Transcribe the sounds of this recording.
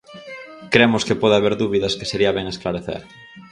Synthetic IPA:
kɾemʊskepɔðaβeɾðuβiðɐske̥seɾiɐβeŋesklaɾeθḛɾ

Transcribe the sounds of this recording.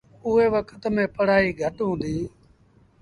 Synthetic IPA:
ʊɦeːʋəkʰət̪mẽːpəɽ̤aːiːɡʱəʈɦõːnd̪iː

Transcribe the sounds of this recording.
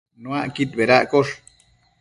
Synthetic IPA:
nõaʔkit̪̚beɾaʔkoʂ

